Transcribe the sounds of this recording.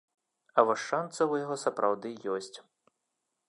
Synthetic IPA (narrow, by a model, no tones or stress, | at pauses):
ɐvɔʂːant̪sɐwjaɣɔsɐpɾʔawd̪ɨjɔsʲt͡sʲ